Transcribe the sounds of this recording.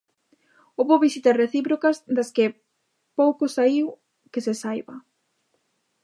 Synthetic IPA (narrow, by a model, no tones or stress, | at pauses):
oβoβisit̪areθipɾokɐzd̪ɐske | powkosaiw | kesesajβɐ